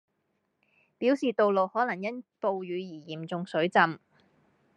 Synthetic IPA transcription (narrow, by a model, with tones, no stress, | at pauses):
piː˨˥wsiː˨t̪o˨˧wlo˨whɔː˨˥lɐ˨˩ŋjɐ˥npo˨wjyː˨˧jiː˨˩jiː˨˩mt͡sʊ˨˧ŋsɵ˨˥ɥt͡sɐ˨˧m